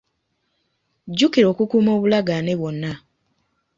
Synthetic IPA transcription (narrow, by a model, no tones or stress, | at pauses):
ɟukiɾo̞ːkukuːmo̞ːβulaɡaneβwo̞nːa